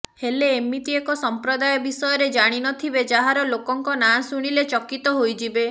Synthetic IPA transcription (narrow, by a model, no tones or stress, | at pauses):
heleːmːit̪iekɔsɔmpɾɔd̪ajɔbisɔjɔɾed͡ʒaɽ̃inɔt̪ʰibed͡ʒaɦaɾɔlokɔŋkɔnasuɽ̃ilet͡ʃɔkit̪ɔɦojd͡ʒibe